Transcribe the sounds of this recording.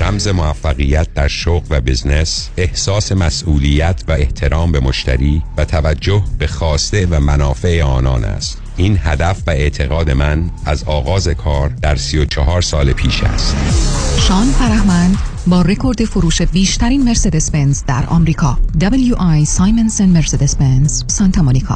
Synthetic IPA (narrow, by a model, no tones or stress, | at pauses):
ɾæmze̞moæfːæɣijæt̪̚d̪æɾʃoɣvæbiznesehsɒːse̞mæsʔuːliːjæt̪ʰvæe̞ht̪ʰe̞ɾɒːmbe̞moʃt̪ʰæ̰ɾiːvæt̪ʰævæd͡ʒːohb̥e̞xɒːst̪e̞væmænɒːfe̞ʔeɒːnɒ̰ːnæ̰st̪ | ʔiːnhæd̪æfvæe̞ʔt̪ʰe̞ɣɒːd̪e̞mænæzɒːɣɒːzekʰɒːɾd̪æɾsijot͡ʃʰɒɦɒːɾsɒːlepʰiːʃæ̰st̪ʃɒːnfæɾæhmænd̪bɒːrekʰo̞ɾd̪e̞foɾuːʃe̞biːʃt̪ʰæɾiːnmeɾsed̪espenzd̪æ̰ɾɒ̰ːmɾiːkʰɒːd̪ɒbeljuʔɑjsɑːjmensonmeɾsed̪espenzsɒnt̪ʰɑmonikʰɒ̰ː